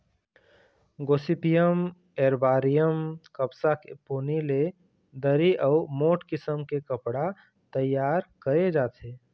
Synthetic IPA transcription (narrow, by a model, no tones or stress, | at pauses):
ɡoːsipijəm | eːɾbaːɾijəmkəpsakepoːnile | d̪əɾiʔəːmoːʈkɪsəmkekəpɽa | t̪əjːaːɾkəɾed͡ʒaːt̪ʰeː